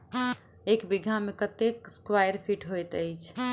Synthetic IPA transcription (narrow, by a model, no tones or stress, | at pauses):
ekbiɡʱamekət̪ekskwajɾpʰiʈɦojt̪əjt͡ʃʰ